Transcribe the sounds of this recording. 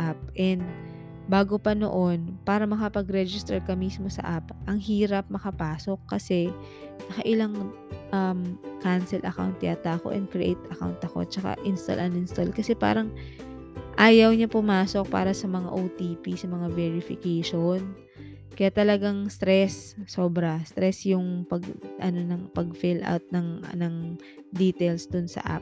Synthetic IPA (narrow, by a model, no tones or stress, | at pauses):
ʔap̚ʔɛnd̪̚ | baːɡopɐno̰ʔo̞npaːɾɐmɐkɐpɐɡɾɛd͡ʒɪst̪ɛɹkɐmiːsmo̞sɐ̰ʔapʔɐŋhiːɾɐp̚mɐkɐpaːso̞kːɐsɛ | nɐkɐʔɪlaŋ | ʔɐmkansɛlʔɐ̰ka̰wnt̪ːjaːt̪ako̰ʔɛ̰n̚kɹɪʔḛjt̪ɐka̰wnt̪ʔɐko̞̰t͡ʃɐka̰ʔɪnst̪a̰lʔɐnɪnst̪alkɐsɛpa̰ːɾɐŋ | ʔaːjɐwɲapʊmaːso̞k̚pa̰ːɾɐsɐmɐŋa̰ʔowt̪iːpisɐmɐŋavɛɹɪfɪkejʃon | kɐjaʔt̪ɐlɐɡaŋst̪ɾɛsːo̞ːbɾɐst̪ɾɛsjʊŋpɐɡʔɐno̞nɐŋpɐɡfɪlʔa̰wt̪̚nɐŋɐ̰nɐŋ | d̪iːt̪ɛlsd̪ʊnsɐ̰ʔa̰p̚